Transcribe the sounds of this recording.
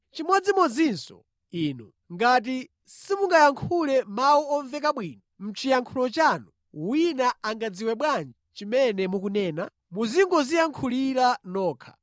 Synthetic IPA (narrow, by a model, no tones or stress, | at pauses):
t͡ʃimɔd͡zimɔd͡zinsɔ̰ | iːnu | ŋɡat̬i | simuŋɡajaŋkʰulɛmawuɔɱvɛk̬aɓwiːnɔm̩t͡ʃijaŋkʰulɔt͡ʃanu | winaaŋɡad͡ziwɛɓwand͡ʒit͡ʃimɛnɛmukunɛːna | muziŋɡɔzijaŋkʰuliɾanɔːkʰḁ